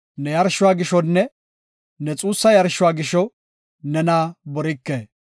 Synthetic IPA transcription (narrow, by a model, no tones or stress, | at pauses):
nɛjɐɾʃʊwaːɡɪʃɔnːɛ | nɛt͡sʼuːsːɐjɐɾʃʊwaːɡɪʃɔ | nɛnaːbɔɾɪkːeː